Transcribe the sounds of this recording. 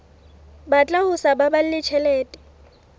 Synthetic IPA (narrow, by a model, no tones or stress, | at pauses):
bat͡ɬʼahʊsababal̩lɪt͡ʃʰɛlɛːtʼɪ̥